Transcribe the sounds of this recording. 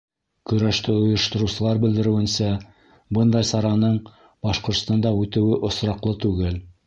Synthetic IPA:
kɵ̆ɾæʃt̪ɘŏjɤ̆ʃt̪ŏɾusɤ̆lˠɑɾbɘ̆ld̪ɘ̆ɾɘ̆wɘ̆nsæ | bɤnd̪ɑjsɑɾɑnɤɴ | bɑʃqŏɾt̪st̪ɑnd̪ɑʉt̪ɘ̆wɘʔŏsɾɑqlˠɤt̪ʉɡɘl

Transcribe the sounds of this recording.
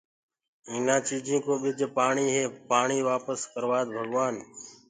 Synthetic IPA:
ɪnãːt͡ʃiːd͡ʒĩːkoːɓɪd͡ʒpaːɳiːɦeːpaːɳiːʋaːpəskəɾʋaːd̪bʱəɡʋaːn

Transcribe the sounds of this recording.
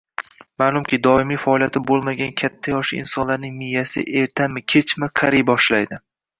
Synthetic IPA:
maːlˠʊmkʲɪd̪ɒɪmijfaɒlˠijat̪ɪbolˠmaɡʲankʲʰat̪ʰːajɒʃɪɪ̰nsɒnlaɾnɪŋnɪjːasɪ̰ʔe̞ɾt̪ʰamɪkʲʰet͡ʃmɪqʰaɾijbɒʃlajd̪ɪ

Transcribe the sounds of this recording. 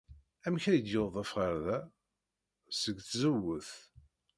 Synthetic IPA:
æmçæjəd̪joðˤæfʁəɾðæ | səɡθzəwːəθ

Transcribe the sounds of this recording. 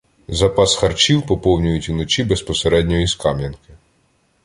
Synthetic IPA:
zɐpɑsxɐrt͡ʃiwpɔpɔwnʲʊjʊtʲunɔt͡ʃʲibespɔseɾɛdʲnʲɔjiskɑmʲjɐnkɪ

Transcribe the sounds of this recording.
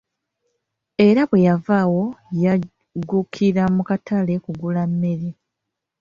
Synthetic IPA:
e̞ɾaβwe̞javawo̞ja | ɡukʰiɾamukatale̞kuɡulamːe̞ɾi

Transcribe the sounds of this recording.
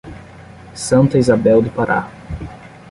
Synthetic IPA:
sɐ̃nt̪ɐizabɛwd̪ɪpaɾʔa̰

